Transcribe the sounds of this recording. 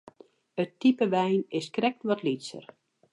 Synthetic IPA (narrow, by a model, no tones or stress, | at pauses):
ətːipəʋɛjnɪskrɛk̚tʋɔtlitsə̰r